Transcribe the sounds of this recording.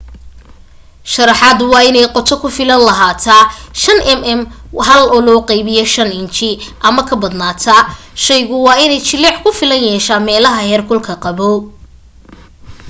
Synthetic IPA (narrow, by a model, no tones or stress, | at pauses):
ʃɐɾɑħɑːd̪wɑːɪnɛjqɔt̪ʰɔkʰʊfɪlɐnlɐɦaːt̪ʰaʃɐnʔɛmɛmɦɐlɔːlɔːqɛjβɪjɔʃɐnɪnt͡ʃɪʔɐmɐkʰɐbɐd̪naːt̪ʰɐ | ʃɛjɣʊwɑːɪnɛjt͡ʃɪlːɛʕkʰʊfɪlɐnjɛːʃaːmɛːlɐɦɐhɛrkʰʊlkʰɐqɑβɔ